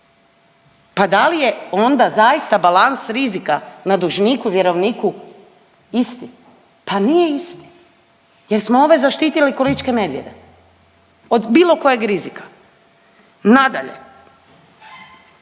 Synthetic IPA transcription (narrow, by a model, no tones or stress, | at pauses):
pad̪alije̞o̞nd̪azajist̪abalansɾizikanad̪uʒniːkuʋjeɾo̞ʋniːku | ist̪i | panijeist̪i̥ | je̞ɾsmoo̞ʋezaʃt̪iːt̪ilikolit͡ʃke̞ned̪ʋjed̪e | od̪biːlˠo̞ko̞jeɡɾizikḁ | nad̪aʎḛ